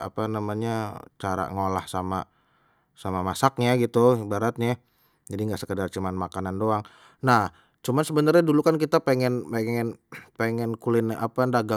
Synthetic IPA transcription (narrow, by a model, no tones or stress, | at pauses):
a̰panamaɲat͡ʃaɾa̰ŋola̰hsama̰ | samamasak̚ɲaɡit̪uibaɾat̪̚ɲa | d͡ʒadiŋɡaʔsəkədart͡ʃumanmakanandoaŋ | nah | t͡ʃumansəbənarɲadulukankit̪apeŋɛnpeŋɛnpeŋɛnkulɪna̰pandaɡa